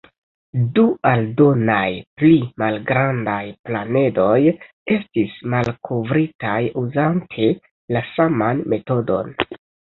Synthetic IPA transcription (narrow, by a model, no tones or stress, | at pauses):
duʔaldo̞najplimalɡɾandajplane̞do̞j | e̞stismalkʰovɾitajuzantʰe̞ | lasamanme̞to̞do̞̰n